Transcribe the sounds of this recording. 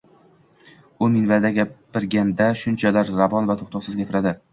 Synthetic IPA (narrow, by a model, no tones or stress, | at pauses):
ʊmɪnvad̪aɡʲabɪɾɡʲand̪aʃʊnt͡ʃʰalaɾːavɒnvat̪ʰoχt̪ʰɒqsɪzɡʲapʰɪɾad̪ɪ